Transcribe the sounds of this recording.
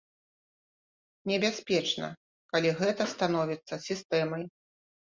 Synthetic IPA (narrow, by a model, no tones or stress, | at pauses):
nʲɛbʲasʲpʲɛt͡ʂnɐ̰ | kalʲiɣɛt̪ɐst̪anɔvʲit̪sːɐsʲist̪ɛmɐj